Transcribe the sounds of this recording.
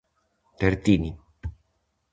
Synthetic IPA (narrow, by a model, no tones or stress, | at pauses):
t̪eɾt̪ini